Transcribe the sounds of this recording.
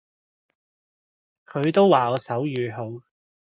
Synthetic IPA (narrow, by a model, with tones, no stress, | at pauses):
kʰɵ˨˧ɥt̪o˥wwaː˨ɔː˨˧sɐ˨˥wjyː˨ɦo˨˧w